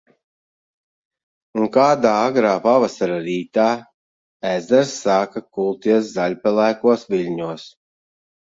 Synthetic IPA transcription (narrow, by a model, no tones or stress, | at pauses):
uŋkaːd̪aːaɡɾaːpavasaɾaɾiːt̪aː | æzd̪ɛɾsːaːkakulˠt̪iɛs̬zaʎʲpʲɛlˠæːkuɔsviʎʲɲuɔs